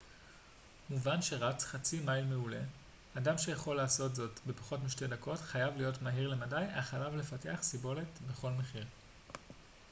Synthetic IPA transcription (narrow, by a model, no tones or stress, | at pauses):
muvanʃe̞ʁat͡sχat͡simajlmeule | adamʃe̞jaχo̞lːaːso̞tzo̞tbe̞pḁχo̞tmiʃte̞dako̞tχajavlijo̞tmaɦiʁle̞madajaχalavle̞fate̞aχsibo̞le̞tbe̞χo̞lme̞χiʁ